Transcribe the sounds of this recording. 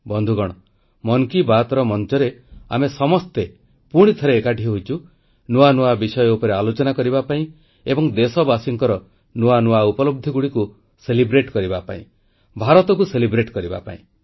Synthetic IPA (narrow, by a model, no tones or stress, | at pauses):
bɔnd̪ʱuɡɔɽ̃ɔ | mɔnkibat̪ɔɾɔmɔnt͡ʃɔɾea̰mesɔmɔst̪e | puɽ̃it̪ʰɔɾeːkaʈʰiɦɔɦojt͡ʃʰu | nuanuabisɔjɔupɔɾealot͡ʃɔnakɔɾibapaĩ | ebɔŋd̪esɔbasiŋkɔɾɔ | nuanuaupɔlob̚d̪ʱiɡuɽiku | selibɾeʈkɔɾibapa̰ḭ̃ | bʱaɾɔt̪ɔkuselibɾeʈkɔɾiba̰pa̰ḭ̃